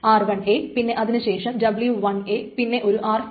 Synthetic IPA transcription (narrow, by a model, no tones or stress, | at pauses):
aːrʋɐɳepinːe̞ʔɐðinɨɕe̞ːʂɐmdɐbljuʋɐɳepinːe̞ʔo̞ɾuʔaːr